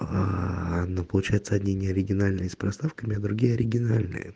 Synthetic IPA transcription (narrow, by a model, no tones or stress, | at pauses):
aɐd̪nopəlˠʊt͡ɕæjɪt̪səɐdʲnʲenʲɪəɐɾʲɪɡʲɪnalʲnɨjəspɾɐst̪afkəmʲɪɐd̪ɾʊɡʲijəɐɾʲɪɡʲɪnalʲnɨ̰jə̰